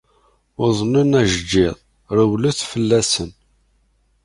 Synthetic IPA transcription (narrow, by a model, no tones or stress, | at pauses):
ʊðˤnunæʒəd͡ʒːɪðˤ | ɾˤəwluθfəlːæsən